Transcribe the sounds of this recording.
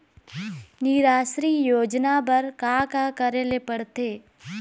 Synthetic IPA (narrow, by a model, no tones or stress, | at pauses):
niɾaːʃɾiːjoːd͡ʒnabɐɾkaːkakəɾeːlepɐɽt̪eː